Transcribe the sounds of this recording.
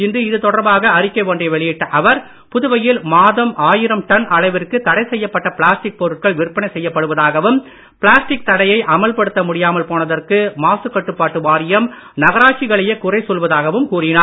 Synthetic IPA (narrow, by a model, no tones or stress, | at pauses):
ɪnd̪ɯɪðɯt̪ɔɽɐɾbaːɣɐɐɾɪkːɐɪʋoːɳɖɐɪʋɛɭɪjɪʈːɐʔɐʋɐɾ | pʊðʊʋɐjɪlmaːðɐmʔaːjɪɾɐmʈɐnɐɭɐɪʋɪrkɯt̪ɐɽɐɪsɛjːɐpːɐʈːɐpɪɭaːsʈɪk̚pɔɾɯʈ̚kɐɭʋɪɾɯpːɐnɐɪsɛjːɐpːɐɽɯʋɐðaːɣɐʋɯm | pɪɭaːsʈɪk̚t̪ɐɽɐjɐɪʔɐmɐlpɐɽɯt̪ːɐmʊɽɪjaːmɐlpoːnɐðɐrkɯmaːsɯkːɐʈːɯpːaːʈːɯʋaːɾɪjɐm | nɐɣɐɾaːt͡ʃɪɣɐɭɐjɐkʊrɐɪsɔlʋɐðaːɣɐʋɯmkuːrɪnaːɾ